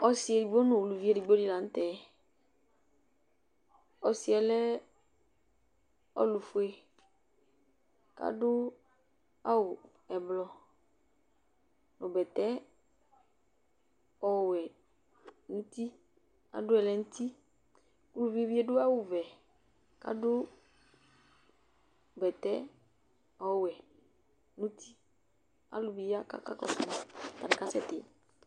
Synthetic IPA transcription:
ɔ˦si˨ɛ˨di˨ɡ͡bo˦nũ˨u˨lu˨vi˦e˦ɖi˨ɡ͡bo˦di˦la˨ŋ̩̃˦t̪ɛ˨˦ | ɔ˨si˨ɛ˨lɛ˦ | ɔ̰˦lu˨fo˦e˦ | ka̰˦ɖʊ˦ | a˦wo˨ | ɛ˨blɔ˨ | nõ˨bɛ˨t̪ɛ˦ | ɔ˨wɛ˨ | nũ˦ti˦ | a̰˨dʊ˦ɛ˨lɛ˨n̩˦ti˦ | ku˦u˨vi˦vi˦ɛ˦dʊ˦a˦wʊ˨vɛ˨ | ka̰˨˦dʊ˦˨ | bɛ˨tɛ˦ | ɔ˦wɛ˨ | nũ˦tʰi˦ | a̰˦lʊ˨bi˨˦a˦ka̰˨ka˦kɔ̰˨sʊ˨ta˨nɪ˨ka˦sɛ˦tɪ̰˨

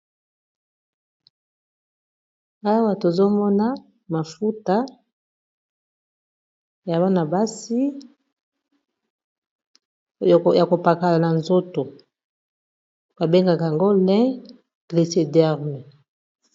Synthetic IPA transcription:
a˦wa˦to˨zo˦mɔ˦na˦ | ma˨fu˦ta˦ | ja˨βa˦na˨ba˦si˦˨ | ja˨ko˨pa˨ka˨la˨na˨nzo˦to˨ | ba˨be˦ŋɡa˨ka˨ja˨ŋɡo˦lɛ̃˦ | ɡ̥li˨se˨dɛ˦ʁmɛ˨

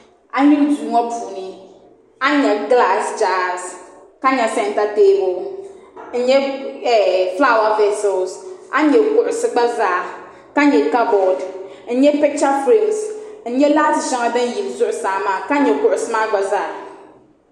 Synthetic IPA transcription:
a˦ɲi˦n˦duː˨ŋɔ˦puː˨nɨ˨ | a˦ɲɛ˨ɡla˦˨sd͡ʒaː˦˨z | ka˦ɲɛ˨sɛ˦n˨ta˦teː˦bʊ˨ | n̩˦ɲɛ˦ɛ˨fla˦˨wa˦vɛ˦sɔ˨lsʔa˦ɲɛ˨kʊ˨ʔʊ˨sɨ˦ɡ͡ba˦zaː˦˨ | ka˦ɲɛ˨ka˦bɔ˨d | n̩˦ɲɛ˦pɛ˦k̚t͡ʃa˦fɾi˦ksn̩˦ɲɛ˦laː˦tɪ˨ʃɛ˦ŋa˦dɨ˦n˦ji˨lzʊ˦ʔʊ˨saː˨ma˦ka˦ɲɛ˨kʊ˨ʔʊ˨sɨ˦maː˦ɡ͡ba˨zaː˦˨

